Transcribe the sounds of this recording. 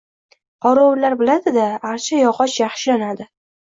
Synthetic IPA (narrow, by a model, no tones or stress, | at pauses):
qɒɾɒwlaɾbɪlad̪ɪd̪aːɾt͡ʃʰajɒqʰɒt͡ʃjɑχʃɪlanad̪ɪ